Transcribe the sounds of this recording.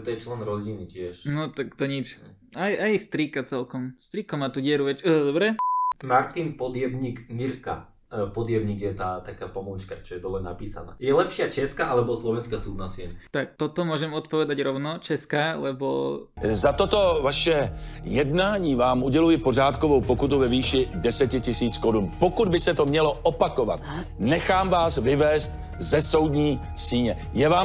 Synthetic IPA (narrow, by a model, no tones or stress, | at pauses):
t̪ɔjɛt͡ʃlɛnɾɔɟinicɪɛʃnɔt̪akt̪ɔɲit͡ʃ | ajʔajst̪ɾiːkat͡sɛlkɔmst̪ɾiːkɔmaːt̪uːɟɪɛɾuʋɛt͡ʃːd̪ɔbɾɛmaɾt̪inpɔd̪jɛbɲikmiɾka̰ | pɔd̪jɛbɲiːɡjɛt̪aːt̪akaːpɔmɔnt͡ʃkat͡ʃɔjɛd̪ɔlɛna̰piːsa̰na̰ːjɛlɛpʃɪat͡ʃɛskaʔalɛbɔslɔʋɛnskasuːd̪nasɪɛɲɛt̪ak̚t̪ɔt̪ɔmʊɔʒɛmɔt̪pɔʋɛd̪aɟɾɔʊnɔt͡ʃɛskalɛbo̰zat̪ot̪o̞vaʃɛjɛdnaːɲiːvaːmuɟɛlujɪpo̞r̝aːt̪kovowpokut̪uvɛviːʃɪdɛsɛcɪcɪsiːt͡skoɾunpokud̪bɪsɛt̪omɲɛlo̞ʔopako̞va̰t̪ | nɛxaːmvaːsvɪvɛːst̪ | zɛso̞wdɲiː | siːɲɛ | jɛvaːm